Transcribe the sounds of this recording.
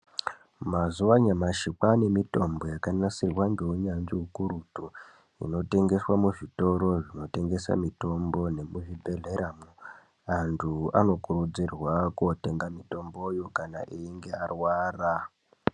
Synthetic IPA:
mazuʋaɲamaʃikwane̞mito̞mbo̞jakanasirwaŋɡeuɲanʐiukuɾutu | ḭno̞te̞ŋɡe̞swamuʐito̞ɾo̞ʐino̞te̞ŋɡe̞sa̰mito̞mbo̞ne̞muʐibʱe̞ɮe̞ɾamu | antʰua̰no̞kurud͡zirwakote̞ŋɡamito̞mbo̞jokana̰ʔiiŋɡe̞arwaːra

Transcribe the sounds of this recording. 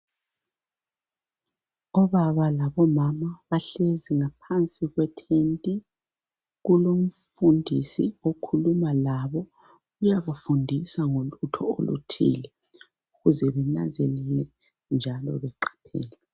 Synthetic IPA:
ɔβaβalaβɔmamaβaɬeziŋapʰant͡sʼiɣwɛtʰentʼi | ɣulom̩fundʱḭsiokʰulumalaβɔ | ɣujaβafundʱisaŋolutʰɔo̰lṵtʰḭːlɛ | uɣuzɛβɛna̰nzelɛlɛ | nd͡ʒʱalɔ̰βɛǃḁpʰḛːlɛ

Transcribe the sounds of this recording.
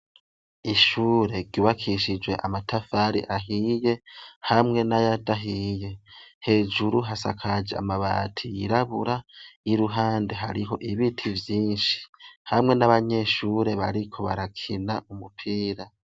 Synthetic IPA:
iʃuːɾe̞ɾɟuːβakʰiʃid͡ʒwe̞ʔamatʰafaɾḭʔaɦije̞hamŋe̞najadaɦije̞he̞ːd͡ʒuɾuɦasa̰kʰad͡ʒea̰maβa̰ːtʰijiɾaβuɾajiɾuɦaːnde̞ɦa̰ɾiɦo̞ʔiβitʰivjiːnʃi̥hamŋe̞naβaɲe̞ʃuːɾe̞βaɾikʰo̞βaɾakʰinaʔumupʰiːɾa

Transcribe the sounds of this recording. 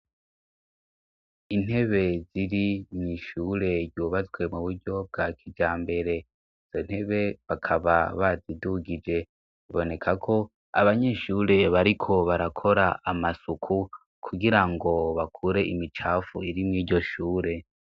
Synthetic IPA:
in̥he̞βe̞ziɾimŋiʃuːɾe̞ɾɟuːβazɡwe̞muβuɾɟo̞b̚ɡakʰid͡ʒaːmbe̞ɾe̞ | iz̥o̞n̥he̞βe̞βakʰaβaβaziduɡid͡ʒe̞ | iβo̞ne̞kʰakʰo̞ | a̰βaɲe̞ʃuːɾe̞βaɾikʰo̞βaɾakʰo̞ɾaʔamasukʰu | kʰuɡiɾaŋɡo̞βakʰuɾe̞ʔimit͡ʃaːfuiɾimŋiːɟo̞ʃuːɾe̞

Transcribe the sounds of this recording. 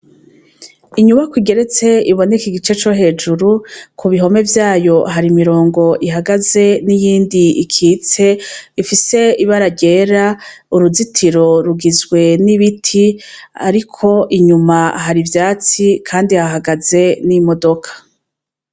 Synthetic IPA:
iɲuβakuɡe̞ɾe̞t͡se̞iβo̞nekiɡit͡ʃe̞t͡ʃo̞ɦe̞ːd͡ʒuɾukʰuβiɦo̞me̞vjaːjo̞ɦaɾimiɾo̞ːŋɡo̞ʔiɦaɡaze̞nijiːndiikʰiːt͡se̞ifise̞iβaɾaɟe̞ːɾa | uɾuzitʰiɾo̞ɾuɡizɡwe̞niβitʰia̰ɾikʰo̞ʔiɲumaɦaɾivjaːt͡sikʰaːndihaɦaɡaze̞nimo̞do̞kʰḁ

